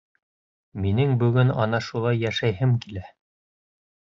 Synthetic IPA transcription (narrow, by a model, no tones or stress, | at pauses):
minɘŋbɵ̆ɡɵnɑ̰nɑʃulˠɑjːæʃæjɦɘmkilæ